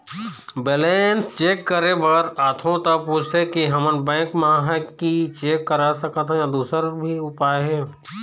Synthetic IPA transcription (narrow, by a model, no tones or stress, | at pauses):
beːleːnst͡ʃeːkːəɾebəɡɛɾaːt̪ʰõt̪apuːt͡ʃʰt̪ekiɦɐmənbɛ̃ːkmɐɦãɦkit͡ʃeːkːəɾasəkat̪ʰãjãd̪uːsəɾbʱiʊpaːeɦɛː